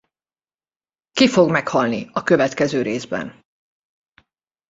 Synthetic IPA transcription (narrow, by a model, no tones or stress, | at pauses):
kifo̞ɡmɛkhɒlniɒkø̞vɛt̪kɛzøːɾeːzbɛ̰n